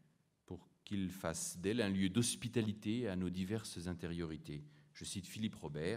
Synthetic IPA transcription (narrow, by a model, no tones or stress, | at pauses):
puʁkʲilfasd̪ɛlɛ̃ljød̪ɔspit̪alit̪eanod̪ivɛʁszɛ̃t̪eʁjɔʁit̪eʒ̥əsit̪filipʁɔbɛːʁ